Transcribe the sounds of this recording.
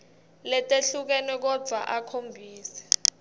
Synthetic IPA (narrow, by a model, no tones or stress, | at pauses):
lɛtʼeɬuk̬ɛnɛk̬ɔ̥d͡z̥ʱa̰ʔakʰombʱiːsɛ̥